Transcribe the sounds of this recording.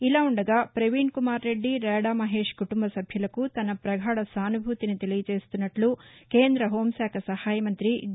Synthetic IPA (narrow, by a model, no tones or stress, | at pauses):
ilaːuɳɖɐɡaːpɾɐʋiːɳkumaːɾːe̞ɖːiɾɛːɽaːmɐɦe̞ːʂkuʈumbɐsɐbʱjɐlɐkut̪ɐnɐpɾɐɡʱaːɽɐsaːnubʱut̪init̪elijɐt͡ʃe̞ːst̪unːɐʈlukeːnd̪ɾɐɦo̞ːmsaːkʰɐsɐhaːjɐmɐnt̪ɾi